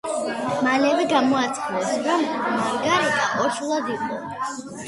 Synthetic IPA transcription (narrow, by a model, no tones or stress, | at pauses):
malɛvɛɡamɔat̪sʼʰχilɛbsɾɔmmaɾɡaɾɛb̪ʰaʔɔɾʃulˠad̪iqʼɔ